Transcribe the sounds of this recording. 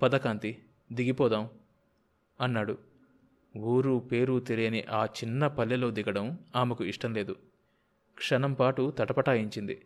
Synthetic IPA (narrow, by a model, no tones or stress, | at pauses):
pɐd̪ɐkaːnt̪i | d̪iɡipɔːd̪aːm | ɐnːaːɽu | uːɾupe̞ːɾut̪eɾijɐniʔaːt͡ʃinːɐpɐlːɐlo̞ːd̪iɡɐɽɐmaːmɐkuiʂʈɐmle̞ːd̪u | kʂɐnɐmpaːʈut̪ɐʈɐpɐʈaːjiɲt͡ʃind̪i